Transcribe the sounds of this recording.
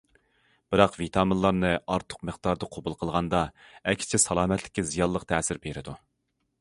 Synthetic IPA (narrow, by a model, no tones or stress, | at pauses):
b̥ɨɾɑqvit̪ʰɑːmɨnlˠɑɾnɨɑɾt̪ʰʊ̥qmɨχd̪̥ɑɾd̪ɑqʰobulˠqʰəlˠʁɑnd̪ɑɛkʲʰːɪ̥t͡ʃʰisɑlˠɑːmɛt̪ʰlɪ̥kʲːizijɑlˠːəqt̪ʰɛːsɪɾbeɾɪd̪u